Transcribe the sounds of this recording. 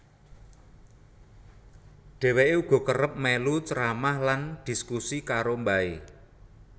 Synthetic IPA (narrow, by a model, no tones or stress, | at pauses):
ɖ̥ɛ̤weʔeuɡ̥ɔ̤kərəp̚melut͡ʃəɾamahland̪̥i̤skusikaɾombae